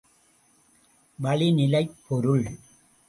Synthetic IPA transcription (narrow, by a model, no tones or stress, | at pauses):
ʋɐɭɪnɪlɐɪpʰːɔɾɯɭ